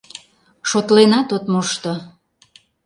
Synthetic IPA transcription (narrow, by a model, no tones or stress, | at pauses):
ʃot̪lenɑt̪ot̪moʃt̪o